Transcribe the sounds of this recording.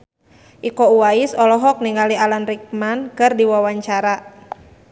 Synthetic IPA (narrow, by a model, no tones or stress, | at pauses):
ʔikɔuwaisɔlɔɦɔk̚niŋɡalialanrik̚mankɨrdiwawaɲt͡ʃaɾa